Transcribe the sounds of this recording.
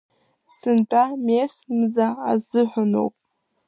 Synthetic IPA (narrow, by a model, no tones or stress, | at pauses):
sɨntʰʼamesmɨzaːzɨħʷᶣano̰wpʼ